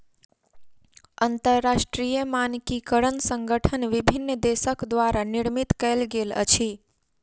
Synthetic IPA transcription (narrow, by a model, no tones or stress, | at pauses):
ənt̪əɾːaʃʈɾijəmankikəɾənsə̃ŋɡəʈʰənʋibʱinːəd̪esəkd̪ʋaɾaniɽmit̪kəlɡelə̰t͡ʃʰi